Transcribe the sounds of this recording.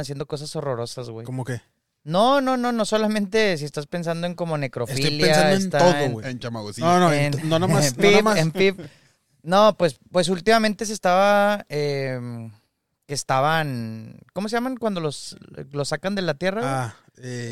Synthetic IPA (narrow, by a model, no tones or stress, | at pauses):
nas̬je̞nd̪o̞ko̞s̬aso̞ro̞ɾo̞sazɣwejkomoke | no̞no̞no̞noso̞lamẽ̞nt̪e̞s̬iest̪aspe̞ns̬and̪o̞e̞ŋko̞mo̞ne̞kɾo̞fialjeasaedoest̪aoðoɣweent͡ʃamaɣosinonoennonamanimaempip | no̞pwe̞spwe̞s̬ult̪imame̞nt̪e̞s̬est̪aβaem | ke̞ːst̪aβankomos̬e̞ʝamaŋkwand̪olo̞slo̞sakand̪e̞lat̪je̞raa | e